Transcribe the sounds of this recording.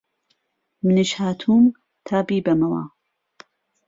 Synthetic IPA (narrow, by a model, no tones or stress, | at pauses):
mɨnɨʃhaːt̪ʰuːm | t̪ʰaːbiːbɐmɐwa̰